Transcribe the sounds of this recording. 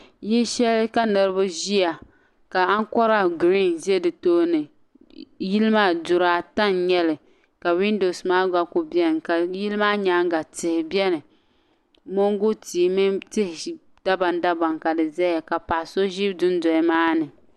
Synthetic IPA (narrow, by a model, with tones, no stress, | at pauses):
jɛ˦ʃɛ˦lka˦nɨ˨ɾɨ˦bʊ˦ʒi˦a˨ | ka˨a˦ŋ˦kɔ˦ɾa˦ɡɾi˦nzɛ˦dɨ˨toː˦nɨ˨ | ji˦lɨ˦maː˦dʊ˨ɾa˦ta˦nɲɛ˦lɨ˨ | ka˨wi˦ndo˨smaː˦ɡa˦kʊ˦bɛ˦nɨ˨ka˨ji˦lɨ˦maː˦ɲa˦ŋ˦ɡa˨tɪ˨hɪ˨bɛ˦nɨ˨ | mo˦ŋɡʊ˦ti˨˦mɨ˦tɪ˦hɪ˨ | d̥a˦ba˨nda˦ba˨ŋka˨dɨ˨zɛ˦ja˨ka˨pa˨so˦ʒi˦dʊ˦n˦dɔ˨˦maː˦nɨ˨